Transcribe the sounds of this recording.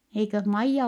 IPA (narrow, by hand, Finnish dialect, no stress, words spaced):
eikøh mɑijːɑ